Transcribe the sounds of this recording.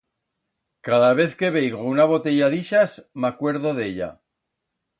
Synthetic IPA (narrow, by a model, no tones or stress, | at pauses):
kaðaβ̞e̞θke̞βejɣounaβ̞o̞t̪e̞ʝaðiʃasmakwe̞ɾðoðe̞ʎa̰